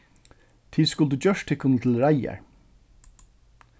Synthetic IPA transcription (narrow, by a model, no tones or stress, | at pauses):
t̪ʰiːskʊld̪ʉːd͡ʒœʃt̪ʰɪkʰʊn̩t̪ʰɪlɾæjæ̰ɹ